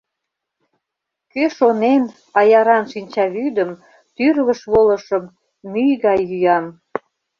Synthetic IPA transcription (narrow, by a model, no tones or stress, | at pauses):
køʃonen | ɑjɑɾɑnʃinʲt͡ɕɑβyd̪əm | t̪yrɣəʃβoləʃəmː | yjɣɑjːyjɑm